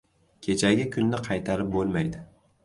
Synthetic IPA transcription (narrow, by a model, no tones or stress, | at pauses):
kʲʰe̞t͡ʃʰaɡʲɪkʰʲʊnːɪqʰɑjt̪ʰaɾɪp̚bolˠmajd̪ɪ